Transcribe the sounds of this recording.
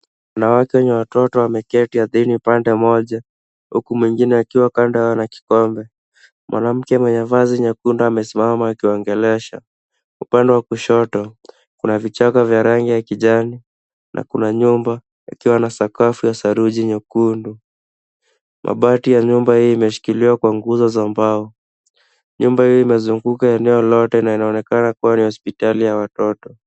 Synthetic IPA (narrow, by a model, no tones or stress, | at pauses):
wanawakɛwɛɲɛwatɔtɔwamɛkɛtihaðinipandɛmɔʄa | hukumwiŋɡinɛakiwakandaawanaki̥kɔmbɛ | mwʔa̰nam̩kɛmwɛɲavaziɲɛkunduamɛsimamaːkiɔŋɡɛlɛʃa̰ | upandɛwakuʃɔtɔ | kunavit͡ʃakavjaɾaŋɡijakiʄani | nʔa̰kunaɲumba | ḭkiwanasakafujasaɾuʄiɲɔkundu | mʔa̰ɓatijaɲumbahijɔimɛʃi̥kiliwakwaŋɡuzɔzambaɔ | ɲumbahijɔimɛzuŋɡukaɛnɛɔlɔtɛnainaɔnɛkanakuwanihɔspitalijawatɔtɔ